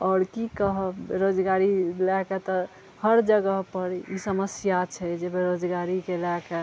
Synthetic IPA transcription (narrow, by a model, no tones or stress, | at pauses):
ɔːɾkikəɦəbbḛɾod͡ʒɡaɾilakat̪ɔ | həɾd͡ʒəɡəɦpəɾḭsəməsjat͡ʃʰɛd͡ʒebeɾod͡ʒɡaɾikelaka